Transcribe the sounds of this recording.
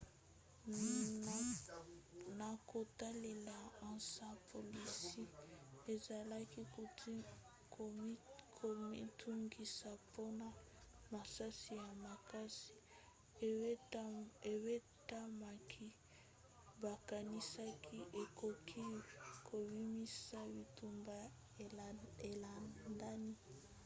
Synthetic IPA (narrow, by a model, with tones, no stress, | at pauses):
na˨ko˨ta˦le˨la˨ã˨sa˦pʰo˨li˨si˦e˨za˨la˦ki˦ | k | kʰo˨mi˦tu˦ŋɡi˨sa˨po˦na˨ | ma˨sa˦si˨ja˨ma˨ka˦si̥˨ | e˨we˦ | ta˦ma˨kʰi˦ | ba˨ka˨ni˦sa˦kʰi˦ʔe˨kʰo˨kʰi˦kʰo˨bi˦mi˦sa˦bi˨tu˨mba˦ | e˨la˨nda˦ni˦